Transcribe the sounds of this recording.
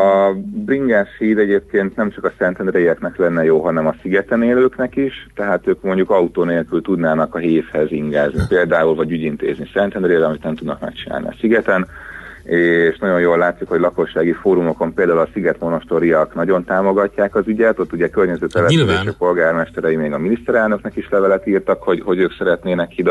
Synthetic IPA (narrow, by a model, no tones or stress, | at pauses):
ɒbriŋɡaːʃhiːɾɛɟeːp̚keːnt̪nɛmt͡ʃɒkɒsɛnt̪ɛnd̪rejɛknɛklɛnːɛjoːɦɒnɛmɒsiɡɛt̪ɛneːløːknɛkiʃt̪ɛɦaːt̪øːkmo̞ɲɟukɒut̪oːneːlkylt̪ud̪naːnɒkɒɦeːfhɛziŋɡaːznipeːld̪aːulvɒɟyɟint̪ḛːznisɛnt̪ɛnɾejɾɒmit̪nɛmt̪ud̪nɒkmɛ̰kt͡ʃina̰ːliɒ̰siɡɛt̪ɛn | eːʃnɒɟo̞njoːlːaːt̪sikhoɟlɒko̞ʃːaːɡifoːɾumo̞ko̞mpeːld̪aːulɒsiɡɛt̪mo̞no̞ʃt̪o̞ɾijɒknɒɟo̞nt̪aːmo̞ɡɒcːaːkɒzyɟɛt̪o̞t̪ːuɟɛkørɲɛzøːt̪ɛlɛɛzeːʃɛpo̞lɡaːrmɛʃt̪ɛɾɛjimeːɡɒminist̪ɛɾɛlnøknɛkiʃlɛvɛlɛt̪iːrt̪ɒkho̞ɟho̞ɟøːksɛɾɛt̪neːnɛkːid̪